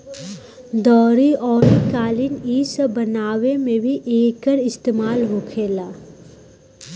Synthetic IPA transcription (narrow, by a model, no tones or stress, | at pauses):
d̪ɔːɾiɔːɾikaːliniːsəbɐnaːwemẽbʱiʔeːkəɾɪst̪eːmaːlɦoːkʰeːlaː